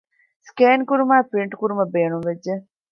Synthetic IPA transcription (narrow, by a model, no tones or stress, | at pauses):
skeːnkuɾumaːpɾiɳʈkuɾumɐbeːnumʋed͡ʒːe